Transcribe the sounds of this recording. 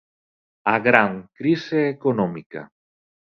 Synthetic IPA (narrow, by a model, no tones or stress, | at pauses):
aɣɾaŋkɾiseːkonɔ̃mika̰